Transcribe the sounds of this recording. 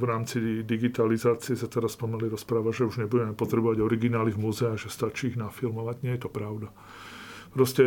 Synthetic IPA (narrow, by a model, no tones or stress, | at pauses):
vɾaːmt͡sid̪iɡit̪alizaːt͡siɛzat̪ɛɾaspɔmaliɾɔspɾaːʋaʒɛuʒɲɛbuɟɛmɛpɔt̪ɾɛbɔʋaɟɔɾiɡinaːliɣmuzɛaɣʒɛst̪at͡ʃiːɣnafilmɔʋaɟɲɪɛjɛt̪ɔpɾaʊd̪a | pɾɔscɛ